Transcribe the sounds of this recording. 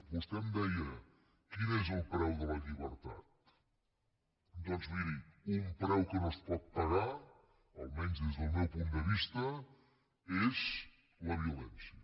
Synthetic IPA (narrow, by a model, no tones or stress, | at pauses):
bust̪ɛmd̪ɛjə | kinezəlˠpɾɛwðələʎiβəɾt̪a̰t̪̚ | d̪ɔnzβiɾiumpɾɛwkənospɔt̪̚pəɣa | əlˠmɛnzðezðəlˠmɛwpund̪əβist̪ə | ez | ləβ̞iulɛnsiə